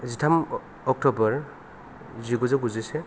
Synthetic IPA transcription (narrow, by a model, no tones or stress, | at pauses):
zitʰam | ɔk̚tɔbɔɹ | ziɡuzɛɡuzisɛ